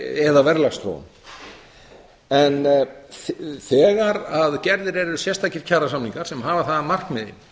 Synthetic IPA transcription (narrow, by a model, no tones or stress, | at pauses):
ɛðavɛɾlast̪ɾo̰w̰n | ɛn | θɛːɣaɾaðcɛɾðɪɾɛɾʏ̥sjɛst̪ahcɪɾ̥cʰaːɾasamniŋkaɾ̥sɛmɦaːvaθaðamar̥kmɛðḭm